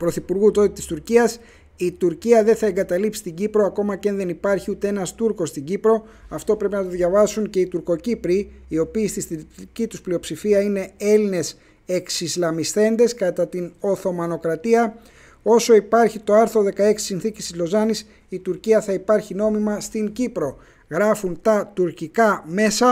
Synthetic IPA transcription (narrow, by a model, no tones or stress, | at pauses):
pɾo̞θipuɾɣut̪o̞t̪it̪i̥st̪uɾciɐs | it̪uɾciɐðe̞θɐe̞ŋɡɐt̪ɐlipsi̥st̪iɟipɾo̞ɐko̞mɐcɐnðe̞nipɐɾçiut̪e̞e̞nɐst̪uɾkost̪iɲɟipɾo̞ | ɐft̪o̞pɾe̞pinɐt̪o̞ðʝɐvɐsuɲce̞it̪uɾko̞cipɾiːo̞piːst̪ist̪iɾicit̪usplio̞psifiɐine̞e̞line̞s | e̞ksizlɐmisθe̞nd̪e̞skɐt̪ɐt̪ino̞θo̞mɐno̞kɾɐt̪iɐ | o̞so̞ipɐɾçit̪o̞ɐɾθɾo̞ðe̞kɐe̞ksi̥sinθicist̪izlo̞zɐnis | it̪uɾciɐθɐipɐɾçino̞mimɐst̪iŋɟipɾo̞ | ɣɾɐfunt̪ɐt̪uɾcikɐme̞sɐ